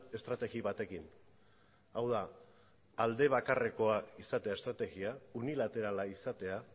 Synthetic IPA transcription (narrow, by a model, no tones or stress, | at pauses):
e̞st̪ɾat̪e̞ɣiβat̪e̞kin | awðaː | ld̪e̞β̞akare̞ko̞aisat̪e̞ae̞st̪ɾat̪e̞ɣiaunilat̪e̞ɾalaisat̪e̞a